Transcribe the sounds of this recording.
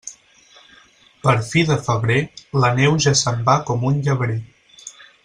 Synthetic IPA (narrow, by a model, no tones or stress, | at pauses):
pəɾfiðəfəβɾelənɛwʒasəmbakɔmunʎəβɾe